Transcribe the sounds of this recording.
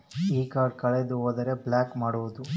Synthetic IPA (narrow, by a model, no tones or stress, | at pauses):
iːkaːɾɖ̚kɐɭed̪uoːd̪ɐɾe̞blaːkmaːɽuʋud̪u